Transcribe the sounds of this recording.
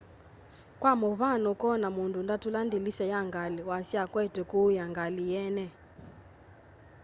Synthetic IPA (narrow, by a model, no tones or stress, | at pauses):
kwamɔβanɔkɔnamundundatulandilisɛjaŋɡaliwasiakwɛtɛkujaŋɡalijɛnɛ